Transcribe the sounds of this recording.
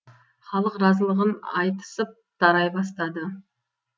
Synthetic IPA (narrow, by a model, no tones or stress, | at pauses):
χɑlˠəqɾɑzəlˠəʁənɑjt̪ə̥səp̚d̪̥ɑɾɑjbɑst̪ɑd̪ə